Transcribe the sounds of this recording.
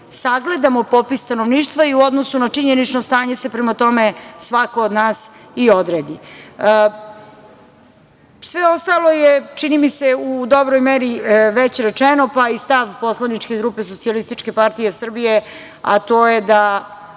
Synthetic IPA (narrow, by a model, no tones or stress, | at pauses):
saɡle̞d̪amopopisst̪anoʋniːʃt̪ʋaiuo̞d̪nosunat͡ʂiɲenit͡ʃnost̪aːɲese̞pɾemat̪o̞mesʋako̞od̪naːsiod̪ɾeːd̪i | sʋeo̞st̪alˠo̞jet͡ʃinimiseud̪o̞bɾojmeɾiʋet͡ɕɾet͡ʂɛnopaist̪aʋpo̞slanit͡ʃkeɡɾupe̞sot̪sialist̪it͡ʃke̞paɾt̪ijesr̩bije | a̰t̪ojed̪a